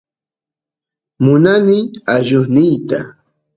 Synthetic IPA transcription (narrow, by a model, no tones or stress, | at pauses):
mʊnanɪaʒʊχnɪjt̪a̰